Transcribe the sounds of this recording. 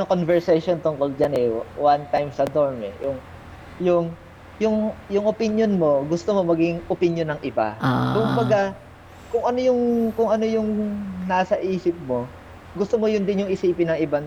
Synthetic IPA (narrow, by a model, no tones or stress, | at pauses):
ɐŋkonvɛɹsɛjʃont̪ʊŋkold͡ʒanɛwant̪ajmsɐd̪oɹmɛjʊŋ | jʊŋ | jʊŋjʊŋʔopɪnjonmo̞ɡʊst̪omo̞mɐɡɪŋʔʊpɪnjonɐŋʔɪba̰kʊŋbɐɡa | kʊŋʔɐno̞jʊŋkʊŋɐno̞jʊŋnaːsɐʔiːsɪp̚mo̞ | ɡʊst̪omo̞jʊnd̪ɪnjʊŋɪsiːpɪnɐŋɪban